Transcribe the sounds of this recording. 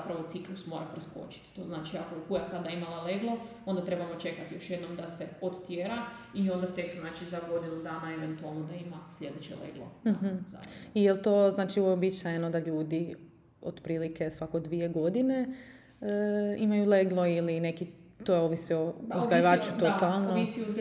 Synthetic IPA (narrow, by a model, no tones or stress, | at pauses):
zapɾaʋot̪siklˠusmo̞ɾapɾesko̰t͡ʃi̥t̪t̪o̞znaːt͡ʃiakokujasad̪aimalaleɡlˠoo̞nd̪at̪ɾe̞bamo̞t͡ʃe̞kat̪ijo̞ʃjed̪nomd̪aseod̪t̪jeɾaio̞nd̪at̪ekznaːt͡ʃizaɡo̞d̪inud̪aːnaeʋent̪ualˠmnod̪aimaslʲje̞d̪et͡ʃḛlḛɡlo̰ɦm̩za̰ijelt̪o̞znaːt͡ʃioʋoeobit͡ʃnajenod̪aʎuːd̪i | o̰d̪pɾiːlike̞sʋakod̪ʋie̞ɡo̞d̪ine̞ | imajule̞ɡlˠo̞iline̞kit̪ojeoːʋisiouzɡaʎeʋaːt͡ʃut̪ot̪alˠnnoisi